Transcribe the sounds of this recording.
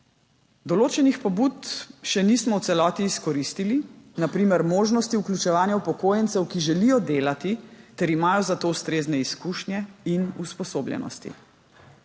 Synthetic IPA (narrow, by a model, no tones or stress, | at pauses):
d̪ɔloːt͡ʃɛnixpɔbut̪ʃɛnismɔwt̪sɛlɔːt̪iːskɔɾist̪ilinapɾiːmɛɾmoːʒnɔst̪iuklʲut͡ʃɛʋaːnjaupɔkoːjɛnt̪sɛwkiʒɛlijɔd̪eːlat̪it̪ɛɾimaːjɔzat̪oːwst̪ɾeːznɛiskuːʃnjɛinuspɔsoːbljɛ̰nɔ̰st̪ḭ